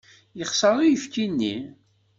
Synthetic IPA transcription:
jəχsɑɾˤijəfkinːḭ

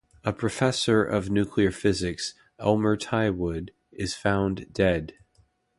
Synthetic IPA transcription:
əpʰɹ̥ɨfɛsə˞ʔʌ̰vnʉkʰliə˞fɪzɨks | ʔɛlˠmə˞tʰaɪwʊd | ɪz̥fãʊ̃ndɛd̥

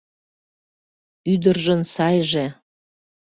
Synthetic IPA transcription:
yd̪ərʒənsɑjʒe

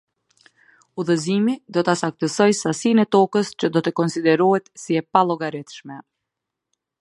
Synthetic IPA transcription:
uðəzimid̪ɔt̪asak̚t̪əsɔjsasinɛt̪ɔkəst͡ɕəd̪ɔt̪əkɔnsid̪ɛɾuɦɛt̪siɛpalˠɔɡaɾɛt̪ʃmɛ

